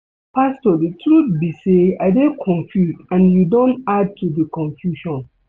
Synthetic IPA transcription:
pʰastɔditʰɾut̚biseaɪdekʰɔ̃ɱfjusãnjudõntad̚tʰudikʰɔ̃ɱfjuʃɔ̃n

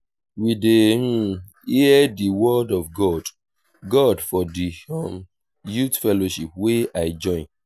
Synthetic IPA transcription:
widem̩ | iɛdiwɔdɔvɡɔd | ɡɔdfɔdiɔ̃m | jutfɛloʃip̚weaɪd͡ʒɔ̃ɪ̃n

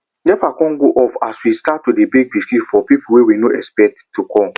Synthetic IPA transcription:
lɛfakɔ̃nɡoʔɔfaswistatːudebek̚biskifɔpipuwewinoʔɛspɛk̚tːukɔ

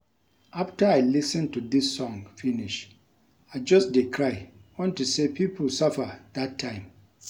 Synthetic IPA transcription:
ʔaftəaɪlisɨ̃ntuðisːɔ̃ŋfiniʃ | aɪd͡ʒʌsdekʰɹaɪwɔ̃ntusepʰipʰl̩sʌfəðatʰːãɪ̃m

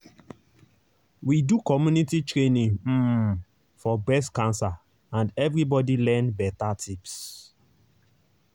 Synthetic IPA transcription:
widukɔmjunititɹẽnĩŋ̩ | fɔbɛskãnsa | ãndɛvɾibɔdilɛ̃nbɛtatʰips

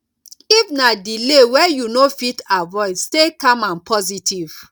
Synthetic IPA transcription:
ifnadilewɛjunofitavɔɪstekãmãnpʰɔzitʰiv̥

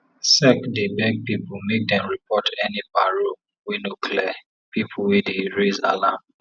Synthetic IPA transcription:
sɛkdebɛɡ̚pipomek̚dɛ̃nɹipʰɔtʰɛnibaɹo | winukʰlɛ | pipʰuwidiɹeza̰lam

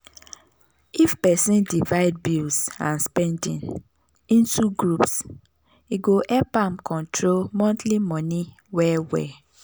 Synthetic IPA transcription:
ifpɛsĩndivaɪd̚bilsã̰nspɛ̃ndḭ̃n | ĩntʰuɡɹups | iɡoʔɛpãmkʰɔ̃ntʰɹolmɔ̃ntlimɔ̃ni | wɛwɛ̰

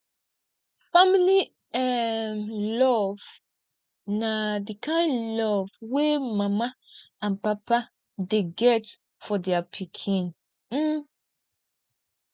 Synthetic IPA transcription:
famili | ɛmlɔv̥ | nadikʰãɪ̃nlɔvwemamaãnpapa | deɡɛt | fɔdɛapʰikʰĩn̩

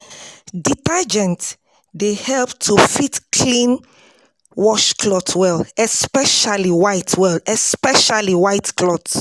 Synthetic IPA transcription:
ditad͡ʒɛ̃nt | dehɛlptʰufitkʰlĩn | wɔʃkʰlɔtʰwɛlɛspɛʃaliwaɪtʰwɛlɛspɛʃaliwajtklɔt

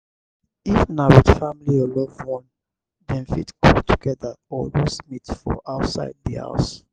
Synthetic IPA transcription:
ifnawidfamiliɔlɔvwɔ̃n | dɛ̃nfḭtkʰɔltʰuɡɛðəɔwismitfɔ̰ʔaʊtsa̰ɪd̚ðiha̰ʊs

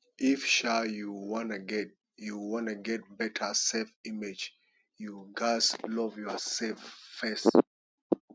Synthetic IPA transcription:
ʔifʃajuwɔ̃naɡɛt̚ | juwɔ̃nɨɡɛt̚bɛtʰəsɛlfimed͡ʒ | juɡaslɔvjɔsɛlffɛs

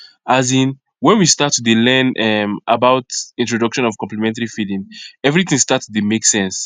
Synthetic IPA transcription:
azĩn | wɛ̃nwistatðelɛ̃nɛmabaʊtĩntɹɔdʌkʃɔ̃nɔv̥kɔ̃mplɛmɛ̃ntaɹifidĩŋɛvɹiθĩŋstatsdemeksɛ̃ns

